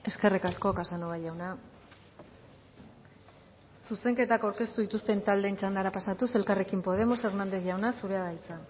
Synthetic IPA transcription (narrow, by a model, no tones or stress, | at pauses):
e̞ske̞rikasko̞kasanoβajʎawna | suse̞ŋke̞t̪akawɾke̞st̪uðit̪ust̪e̞nt̪ald̪eːnt͡ʃand̪aɾapasat̪use̞lkare̞kimpo̞ð̞e̞mo̞se̞ɾnand̪e̞θʝawnasuɾe̞aðajt͡sa